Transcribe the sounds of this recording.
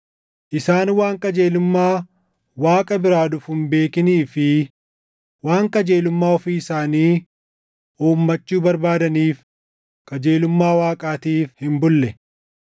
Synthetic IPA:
ʔɪsaːnwaːŋkʼɐd͡ʒe̞ːlʊmːaː | waːkʼɐbɪɾaːd̪ʊfhʊmbe̞ːkɪniːfɪ | waːŋkʼɐd͡ʒe̞ːlʊmːaːɔfiːɪsaːniː | uːmːɐt͡ʃːuːbɐɾbaːd̪ɐniːf | kʼɐd͡ʒe̞ːlʊmːaːwaːkʼaːt̪iːfhɪmbʊlːɛ

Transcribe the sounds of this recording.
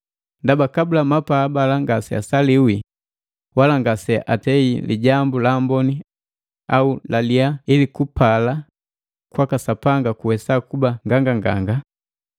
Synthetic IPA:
ndabakabulamapaːbalaŋɡasɛa̰saliwi | walaŋɡasɛaʔatɛiliɟambulambɔni | aulaliailikupala | kwakasapaŋɡakuwɛsakubaŋɡaŋɡaŋɡa̰ŋɡa

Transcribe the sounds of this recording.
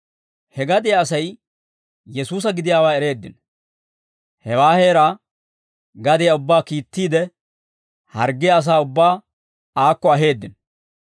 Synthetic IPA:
hɛɡɐd̪ɪjaɐs̬ɐj | jɛsuːs̬ɐɡɪd̪ɪjaːwaːɛɾe̞ːd̪ːɪ̰n | hɛwaːhe̞ːɾaː | ɡɐd̪ɪjaʊbːaːkiːt̪ːiːd̪ɛ | hɐɾɡːɪjɐːs̬aːʊbːaː | aːkːɔɐɦe̞ːd̪ːɪn

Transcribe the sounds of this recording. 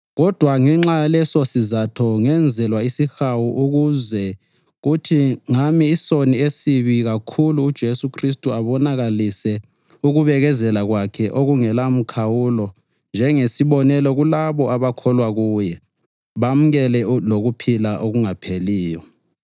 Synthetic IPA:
ɣɔd̥ʱwaŋɛŋ͡ǁalɛsɔsizatʰɔŋɛnd͡zʱɛlwaisixawuʔuɣuzɛ | ɣutʰiŋamiːsoniesiβiɣakʰuluːd̥ʒ̥ʱesukʰristʼuaβɔnaɣalisɛ | uɣuβɛɣɛzɛlaɣwakʰɛʔoɣuŋɛlam̩kʰawulɔ | nd͡ʒʱɛŋesiβɔnɛlɔɣulaβɔaβakʰɔlwaɣuːjɛ | βam̩ɣɛlɛloɣupʰilaʔoɣuŋapʰeliːjɔ

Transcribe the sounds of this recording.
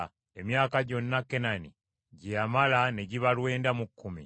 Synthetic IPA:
emjaːkaɟo̞nːakːe̞nani | ɟiamalane̞ɟiβalwe̞ːndamukʰːumḭ

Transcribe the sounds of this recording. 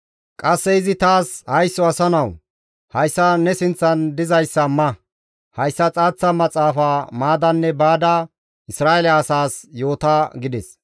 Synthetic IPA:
kʼɐsːɛɪzɪt̪aːshɐjsːɔɐsɐnɐw | hɐjsːɐnɛsɪnt͡sːɐnd̪ɪzɐjsːɐmɐ | hɐjsːɐt͡sʼaːt͡sːɐmɐt͡sʼaːfaːmaːd̪ɐnːɛbaːd̪ɐ | ɪsɾaːɛlɐːsaːsjo̞ːt̪aɡɪd̪ɛs

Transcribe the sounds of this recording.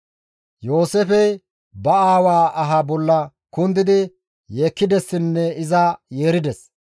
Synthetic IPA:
jo̞ːsefɛj | bɐaːwaːʔɐɦɐbɔlːɐ | kʊnd̪ɪd̪ɪ | jeːkːɪd̪ɛsːɪnːɛɪzajeːɾɪd̪ɛs

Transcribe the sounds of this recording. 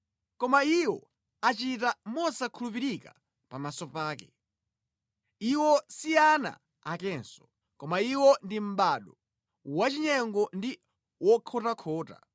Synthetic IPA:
kɔmaiwɔ̰ | at͡ʃit̬amɔsakʰulupiɾika̰ | pamasɔpaːkɛ | iwɔsiana̰ | akɛnsɔ̥ | kɔmaiwɔndim̩ɓaɗɔ | wat͡ʃiɲɛŋɡɔndi | wɔkʰɔtakʰɔːta̰

